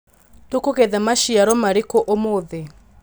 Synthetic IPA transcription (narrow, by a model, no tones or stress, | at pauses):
tokokɛðamaʃiaɾɔmaɾikɔʔomoðɛ